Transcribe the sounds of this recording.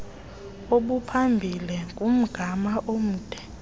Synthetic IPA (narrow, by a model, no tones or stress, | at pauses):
oɓupʰambʱilɛkʼum̩ɡ̥ʱamaʔom̩ːd̥ʼʱɛ̥